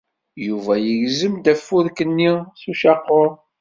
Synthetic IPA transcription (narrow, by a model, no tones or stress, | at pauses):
juvæjəʝzəmd̪æfːuðkənːiθuʃɑqːoɾˤ